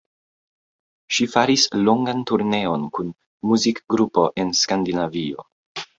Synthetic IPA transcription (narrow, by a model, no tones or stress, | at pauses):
ʃifaɾislo̞ŋɡantuɾne̞o̞nkun | muzikɡɾupo̞ʔe̞nskandinavio̞̰